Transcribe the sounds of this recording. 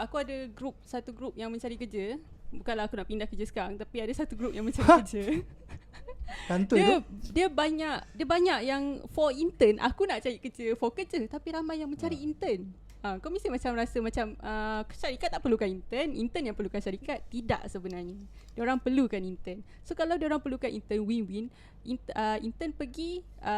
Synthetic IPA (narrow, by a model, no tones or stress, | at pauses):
akuadəɡɾup̚sat̪uɡɾup̚jaŋmə̃ɲt͡ʃaɾikəd͡ʒəbukanlaakunaʔpindahkəd͡ʒəsə̥kaɾaŋt̪apiadasat̪uɡɾup̚jaŋmə̃ɲt͡ʃaɾiəd͡ʒə | tantd̪uədiəbaɲaʔdiəbaɲaʔjaŋfɔint̪ənʔa̰kunaʔt͡ʃajiʔkəd͡ʒəfokəd͡ʒət̪apiɾamajːaŋmə̃ɲt͡ʃaɾiint̪ən | ə̃komisimat͡ʃamɾasəmat͡ʃaməʃaɾikat̪ːaʔpərlukanint̪ənḭnt̪ənjaŋpərlukanʃaɾikat̪ːida̰ʔsəbənarɲə | diəoɾaŋpərlukanint̪ən | sokalawdioɾaŋpəlukanʔḭnt̪ənwinwin | ʔinəint̪ənpəɡi | ʔə